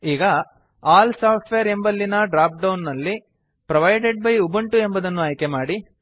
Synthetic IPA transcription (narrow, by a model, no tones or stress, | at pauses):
iːɡɐ | aːlsaːʈʰʋejɐɾembɐlːinɐɖɾaːp̚ɖɐwnːɐlːi | pɾɐʋɐjɖeɖ̚bɐjubɐɳʈue̞mbɐd̪ɐnːuɐjkemaːɽi